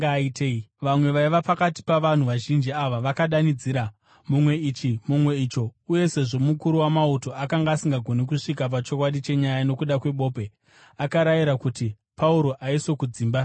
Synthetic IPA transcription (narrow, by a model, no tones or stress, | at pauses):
aitʰeiʋamwe̞ʋaiʋapakati̥paʋan̤uʋaʒind͡ʒiaʋaʋakaɗanid͡ziːɾa | mumwe̞it͡ʃimumwe̞it͡ʃo̞uje̞se̞ʐo̞mukuɾuwamauto̞akaŋɡaːsiŋɡaɡʱo̞nek̬uʂikap̬at͡ʃo̞kwaɗit͡ʃe̞ɲajano̞kuɗakwe̞ɓo̞ːpe̞ | akaɾajiɾakuti | pauɾo̞ʔaiso̞kud͡ziːmba